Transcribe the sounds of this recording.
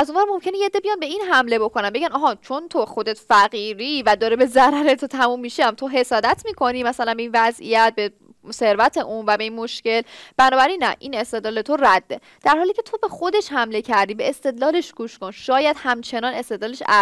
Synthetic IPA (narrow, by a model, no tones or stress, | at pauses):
ʔæzunvæɾmo̞mcʰenejeed̪ːebijɒːnbe̞inɦæmle̞bo̞kʰonæmbe̞ɟænɒːɦɒt͡ʃʰo̞nt̪ʰoxod̪et̪fæɣiːɾivæd̪ɒːɾebe̞zæɾæɾet̪ʰot̪ʰæmumːiʃeæmt̪ʰoɦe̞sɒːd̪æt̪ʰmiːkʰo̞niːmæsælænbeinvæzḭjæt̪̚be | se̞ɾvæt̪ʰeʔunvæbe̞inmoʃce̞lb̥ænɒːbæɾinːæ̰ʔinest̪e̞d̪lɒːlet̪ʰoræd̪ːe̞ | d̪̥æɾɦɒːliːcʲʰet̪ʰobe̞xo̞d̪eʃhæmle̞cʰæɾd̪iːbe̞est̪e̞d̪lɒːle̞ʃɡ̥uʃko̞nʃɒːjæd̪̥hæmt͡ʃʰe̞nɒːne̞st̪e̞d̪lɒːleʃæ